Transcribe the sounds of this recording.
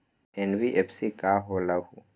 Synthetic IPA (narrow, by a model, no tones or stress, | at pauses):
enbiʔepʰsikaɦoːlaɦu